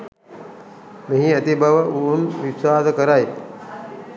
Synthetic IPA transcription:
meɦĩɐt̪ibʱɐʋəunʋisaːd̪kəɾaj

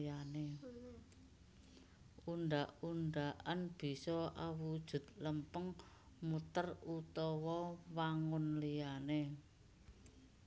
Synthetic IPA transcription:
ane | uɳɖaʔunɖaʔanb̥i̤sɔʔawud̥ʒ̥ʊ̤t̪̚ləmpəŋ | mut̪ərut̪ɔwɔwaŋʊnlijane

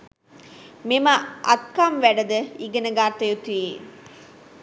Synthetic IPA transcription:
memaʔɐt̪̚kamʋæɖɐd̪əiɡənəɡaːɾt̪ɐjut̪i

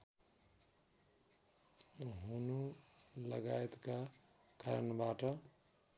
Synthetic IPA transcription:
ɦunuləɡaet̪kakaɾnbaʈʌ

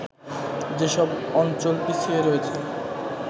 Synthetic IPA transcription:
d͡ʑeʃɔbɔnt͡ɕolpit͡ɕʰieɾɔet͡ɕʰe

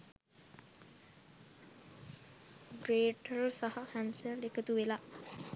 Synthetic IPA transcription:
ɡɾeːʈəlsaɦɐhænsəlekət̪uʋela

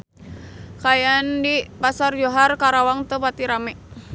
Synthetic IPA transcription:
kajandipasard͡ʒoɦarkaɾawaŋt̪əpat̪iɾamɛ

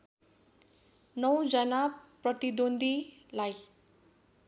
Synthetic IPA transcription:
nʌwd͡zʌnaprʌt̪id̪ond̪ʱi | laj

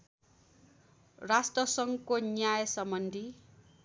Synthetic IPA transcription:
rasʈrʌsʌŋkonjajsʌmbʌnd̪ʱi

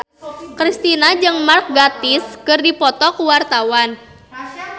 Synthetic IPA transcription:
kɾist̪inad͡ʒɨŋmark̚ɡat̪ɪskɨrdipɔt̪ɔkuwart̪awan

